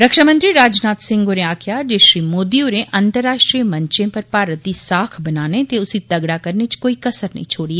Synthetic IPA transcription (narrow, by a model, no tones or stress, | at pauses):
ɾɐkʃamə̃nt̪ɾiɾaːd͡ʒnaːt̪sɪ̃ŋɡoːɾẽaːkʰjad͡ʒeːʃɾiːmoːd̪ioɾẽʔɐ̃nt̪əɾːaːʃʈɾiːmɐ̃ɲt͡ʃẽpɐɾpaːɾət̪isaːkʰbɐnaːnet̪eʊsit̪ɐɡɽakɐɾnet͡ʃkoːikɐsəɾnɐ̰ɦĩt͡ʃʰoːɽie